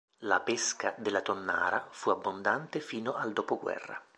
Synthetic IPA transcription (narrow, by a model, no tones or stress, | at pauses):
lapeskad̪elːat̪onːa̰ːɾafuabːond̪ant̪efiːnoʔald̪oːpoɡwɛ̰rːa̰